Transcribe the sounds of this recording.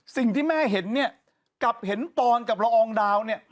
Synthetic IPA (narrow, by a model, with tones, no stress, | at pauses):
si˨˩ŋt̪ʰiː˥˩mɛː˥˩ɦe˩˦nːi˥˩ɐ | kla˨˩p̚he˩˦np̪ɔː˧nka˨˩p̚ɾa˧ʔɔː˧ŋdaː˧wni˥˩ɐ